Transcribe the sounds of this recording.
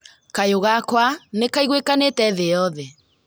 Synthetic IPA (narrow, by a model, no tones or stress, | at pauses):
kajoɣakwanekaiɣwekanetɛðeɔðɛ